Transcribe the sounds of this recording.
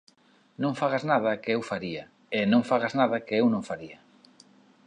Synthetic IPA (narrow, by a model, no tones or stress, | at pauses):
nõŋfaɣaznað̞ɐkɪewfaɾia | enõŋfaɣaznaðɐkɪewnõŋfaɾiɐ